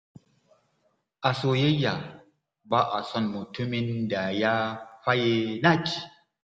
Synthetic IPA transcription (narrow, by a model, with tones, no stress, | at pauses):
a˨so˨je˦ja˨ | ba˦ʔa˨sɔ˦nmu˨tʰu˦mi˦nda˨ja˦fa˦je˦na˦ki˨